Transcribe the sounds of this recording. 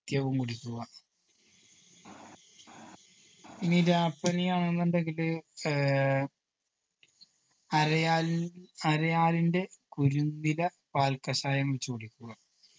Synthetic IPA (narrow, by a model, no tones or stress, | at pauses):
t̪jɐʋumkuɽikʲːuɣɐ | inːiɾaːpːɐnijaːɳenːenɖeŋɡil | ɐɾɐja | ɐɾɐjaːlinde̞kuɾunːilɐ | paːlkɐɕaːjɐmʋet͡ɕːukuɽikʲːuɣɐ